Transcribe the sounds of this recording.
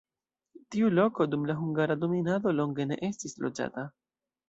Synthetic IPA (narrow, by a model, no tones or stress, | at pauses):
tiulo̞ko̞dumlaɦuŋɡaɾado̞minado̞lo̞ŋɡe̞ne̞̰ʔe̞stislod͡ʒa̰ta